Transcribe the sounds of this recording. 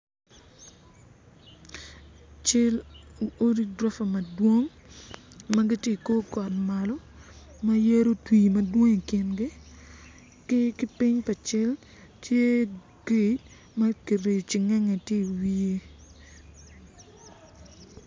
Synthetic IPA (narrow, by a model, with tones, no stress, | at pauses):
t͡ʃɪ˦lo˦ɾi˦dɾa˦fa˨mɐ˨dwo˦ŋ | mɐ˦ɡɪ˦tɪ˦˨ko˦kɔ˨tma˨lɔ˦ | ma˦je˦ɾo˦twi˨mɐ˦dwo˦ŋi˨kɪ˨nɡɪ˦ | kkɪ˦pɪ˦ɲpa˨t͡ʃɪ˦l | tje˦ | ɡi˨t | mɐ˦ki˨ɾe˨t͡ʃɪ˨ŋɛ˦ŋe˨tje˦i˨wi˦e˦